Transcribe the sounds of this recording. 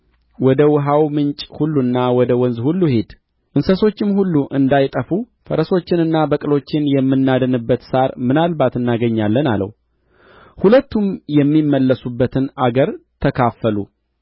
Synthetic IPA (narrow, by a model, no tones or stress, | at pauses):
wɔd̪əwʊɦawmɨnt͡ʃʼhulːunːawɔd̪əwɔnzhulːuhe̞d̪ | ʔɨnsəso̞t͡ʃːɪmhulːuʔɨnd̪ajt̪ʼəfu | fəɾəso̞t͡ʃːɪnɨnːabəkʼɨlo̞t͡ʃːɪnjɛmːɨnːad̪ənɨbːət̪saɾmɨnalbat̪ɨnːaɡəɲːalːəna̰lə̰w | hulət̪ːumjɛmːimːəlːəsubːət̪ʰɨnaɡəɾt̪ʰəkʰafːəlṵ